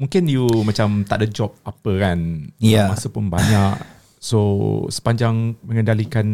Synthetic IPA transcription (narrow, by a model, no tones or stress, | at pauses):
mũŋkɪnjumãt͡ʃamt̪aʔ̚dəd͡ʒɔp̚apəkanjamasapʊnbaɲaʔ | sosə̥paɲd͡ʒaŋməŋəndalikan